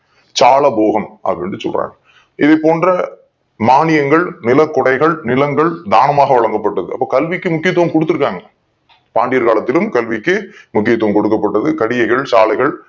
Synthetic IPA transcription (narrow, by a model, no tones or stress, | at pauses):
t͡ʃaːlɐboːɣɐmʔɐ̰pːɽɪndrɯsɔ̰lra̰ːn | ɪðɐɪpːoːndrɐ | maːnɪjɐŋɡɐɭnɪlɐkːɔɽɐɪɣɐɭnɪlɐŋɡɐɭd̪a̰ːnɐmaːɣɐʋɐɭɐŋɡɐpːɐʈːɐðɯɐpːoːkɐlʋɪkːɯmʊkːɪjɐt̪ːʊʋɐmkɔɽɯt̪ːɯɾɯkːaːŋɡɐ | paːɳɖɪjɐɾka̰ːlɐt̪ːɪlɯmkɐlʋɪkːɯmʊkːɪjɐt̪ːʊʋɐmkɔɽɯkːɐpːɐʈːɐðɯkɐɽɪjɐɪɣɐɭt͡ʃa̰ːlɐɪɣɐɭ